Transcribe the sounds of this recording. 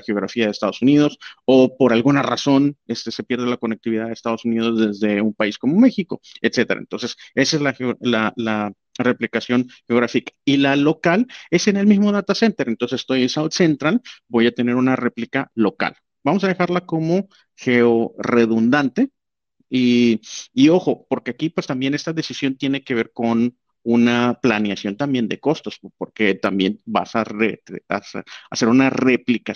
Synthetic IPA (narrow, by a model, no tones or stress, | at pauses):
xeo̞ɣ̞ɾa̰fiaðest̪að̞o̞sunið̞o̞so̞po̞ɾalɣunara̰so̞ne̞st̪e̞se̞pje̞ɾð̞elako̞nek̚t̪iβiðaðeːst̪aðo̞sunið̞o̞zðe̞zðe̞umpaisko̞mo̞me̞xiko̞e̞t̪se̞t̪eɾa̰ḛnt̪o̞nse̞se̞saezlaxolala | re̞plikasjo̞nxeo̞ɣ̞ɾafikḁilalo̞kale̞se̞ne̞lmizmo̞ðat̪ase̞nt̪e̞ɾent̪o̞ns̬est̪ojensawt̪se̞nt̪ɾalbo̞jat̪ene̞ɾunare̞plikalo̞ka̰l | bamo̞s̬að̞e̞xaɾlako̞mo̞ | xe̞ore̞ðund̪ant̪e̞ | iː | o̞xo̞po̞ɾke̞akipwe̞st̪ambje̞ne̞st̪aðe̞sisjo̞nt̪je̞ne̞ke̞β̞e̞ɾko̞n | unaplanjasjo̞nt̪ambje̞nd̪e̞ko̞st̪o̞spo̞ɾke̞t̪ambje̞̰nba̰sarea̰saase̞ɾunare̞plika